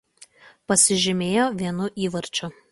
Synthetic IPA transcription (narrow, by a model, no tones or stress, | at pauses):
pɐsʲɪʒʲɪmʲeːjoːʋʲiɛnʊʔiːʋɐɾʲt͡ʃʲʊ